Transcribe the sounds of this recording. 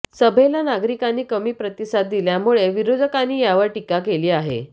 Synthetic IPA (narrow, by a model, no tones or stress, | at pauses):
səbʱelanaɡɾikanːiːkəmiːpɾət̪isat̪̚d̪iljamuɭeʋiɾod̪ʱəkanːiːjaʋəɾʈikakeliːaɦḛ